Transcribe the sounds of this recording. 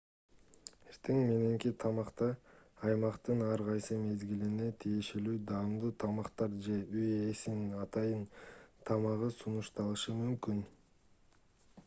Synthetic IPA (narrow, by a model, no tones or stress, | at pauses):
e̞ɾt̪ʰe̞ŋme̞ne̞ŋkit̪ʰɑmɑqt̪ɑːjmɑqt̪ɯnɑɾʁɑjsɯme̞zɡiline̞t̪ʰije̞ʃe̞lyːd̪ɑmd̪ut̪ʰɑmɑqt̪ɑɾd͡ʒe̞yje̞sinnɑt̪ɑjɯnt̪ʰɑmɑʁɯsunuʃt̪ɑlˠɯʃɯmymkyn